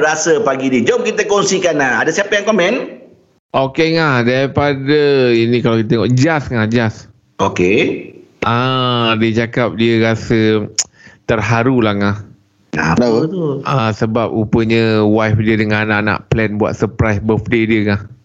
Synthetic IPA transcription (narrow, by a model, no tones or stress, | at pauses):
ɾasəpaɡidiəd͡ʒom̚kit̪əkonsikanahadasiapəjaŋkomɛ̃n | ʔokeŋahdaɾipadəinikalakit̪ət̪eŋɔʔd͡ʒasŋahd͡ʒas | ʔoke | ʔadiət͡ʃakap̚diəɾasə | t̪ərɦaɾulaŋah | na̰at̪uasəbap̚upəɲəwajfdiədəŋanãʔnã̰ʔplɛnbua̰t̪̚səpɾajsbəfdediəŋah